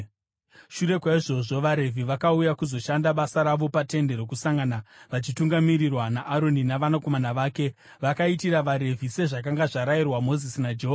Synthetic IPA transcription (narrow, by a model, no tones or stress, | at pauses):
ʃuɾe̞kwaiʐo̞ʐo̞ʋaɾe̞vʱiʋakaujakuzo̞ʃandaɓasaɾaʋo̞pate̞nde̞ɾokusaŋɡanaʋat͡ʃituŋɡamirirwanaʔːɾo̞ninaʋanako̞manaʋaːke̞ | ʋakaitiraʋaɾe̞vʱise̞ʐak̬aŋɡaʐaɾairwamo̞zisinad͡ʒeɦoa